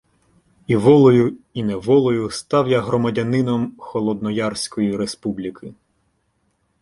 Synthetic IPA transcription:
iʋɔlˠɔjʊinɛʋɔlˠɔjʊst̪ɑwjaɦɾɔmɐdʲɐnɪnɔmxɔlˠɔd̪nɔjɑrsʲkɔjiɾespublʲikʰɪ

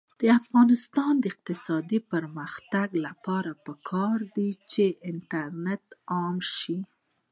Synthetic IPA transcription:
d̪̥əafɣɑnɪst̪ɑnd̪əɪq̚t̪ɪsɑd̪ipəɾməxt̪aɡlapɑɾapəkʰɑɾd̪it͡ʃeʔɪntaɾnet̪ɑmʃi

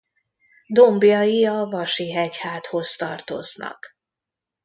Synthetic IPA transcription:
d̪ombjɒjiɒvɒʃiɦɛchaːt̪ho̞st̪ɒrt̪o̞̰znɒ̰k

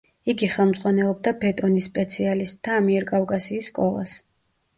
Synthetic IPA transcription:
iɡiχɛlˠmz̥ʼʁwanɛlˠɔb̚d̪abɛt̪ʼɔnisːpʼɛt̪sʰialist̪̚ʼd̪aːmiɛɾkʼavkʼasiːsːkʼɔlˠa̰s

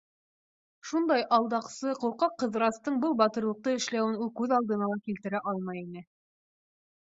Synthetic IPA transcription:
ʃund̪ɑjʔɑlˠd̪ɑqsɤquɾqɑqːɤ̆ðɾɑst̪ɤɴbɤlˠbɑt̪ɤ̆ɾlˠɤ̆q̚t̪ɤɘ̆ʃlæwɘnulˠkʉðɑlˠd̪ɤ̆nɑlˠɑkilt̪ɘ̆ɾæʔɑlˠmɑjinɘ

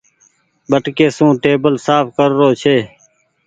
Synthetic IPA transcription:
ɓəʈkeːsũːʈeːbəlsaːpkəɾːoːt͡ʃʰeː

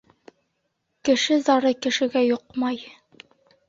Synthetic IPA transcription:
kɘ̆ʃɘzɑɾɤkɘ̆ʃɘ̆ɡæjoqmɑj

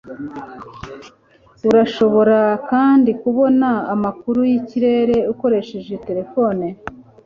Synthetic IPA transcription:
uɾaʃo̞βo̞ɾakaːndikuβo̞naːmakuɾujiciɾe̞ɾe̞uko̞ɾe̞ʃe̞ʒe̞te̞ɾe̞fo̞ne

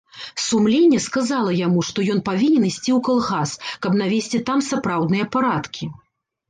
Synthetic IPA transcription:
sumlʲenʲːɛskazalˠɐjamuʂt̪ɔjɔnpavʲinʲɛnisʲt͡sʲiwkalˠɣaskɐbnavʲesʲt͡sʲit̪amsapɾawd̪nɨjɐpaɾat̪kʲi

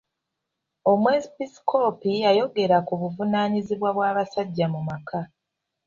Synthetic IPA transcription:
o̞mwezipisi̥kʰo̞ːpijajo̞ɡe̞ɾakuβuvunaːɲiziβwaβwaːβasaɟːamumakʰa

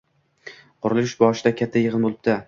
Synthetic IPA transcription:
qʰʊɾɪlˠɪʃbɒʃɪd̪akʲʰat̪ʰːajɨʁɨnbolˠɪb̚d̪̥a

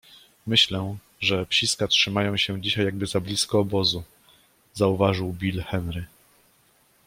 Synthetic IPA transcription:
mɘɕlɛ | ʐɛpɕiskatʂɘmajɔ̃w̃ɕɛ̃d͡ʑiɕajːaɡ̚bɘzablʲiskɔːbɔzu | zauvaʐɘwbʲilxɛnɾɘ

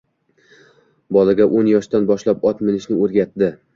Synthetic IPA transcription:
bɒlˠaɡʲaʔonjɒʃt̪anbɒʃlapɒt̪mɪlɪʃnɪoɾɡʲat̪d̪ɪ

